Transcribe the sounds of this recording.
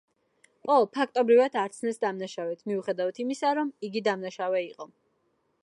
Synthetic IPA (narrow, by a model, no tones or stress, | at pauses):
ɔpʰak̚ʰt̪ʼɔbɾivat̪ʰaɾt̪sʰnɛsd̪amnaʃavɛt̪ʰmiuχɛd̪avat̪ʰimisaɾɔmiɡid̪amnaʃavɛiqʼɔ